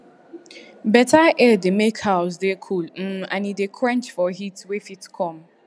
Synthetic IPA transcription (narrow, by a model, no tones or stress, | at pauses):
bɛtʰaʔɛdemekhaʊs̬dekʰulm̩ãnidekʰɹɛ̃nt͡ʃfɔɦitwefitkʰɔ̃m